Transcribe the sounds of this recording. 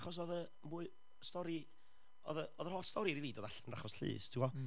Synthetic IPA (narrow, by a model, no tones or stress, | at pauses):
χɔs̬ɔðə | buːɨ | stɔɾi | ɔðəɔðəhɔstɔɾiɾiðiːdɔðaɬɛnra̰χɔsɬɨ̰ːstʰɪɔ